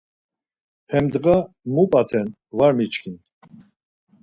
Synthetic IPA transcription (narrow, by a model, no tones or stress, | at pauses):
hɛmd̪ɡa | mupʼat̪ʰɛn | vaɾmit͡ʃkʰin